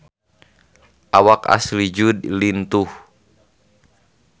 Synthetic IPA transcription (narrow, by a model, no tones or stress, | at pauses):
ʔawaka̰slid͡ʒud̪lint̪uh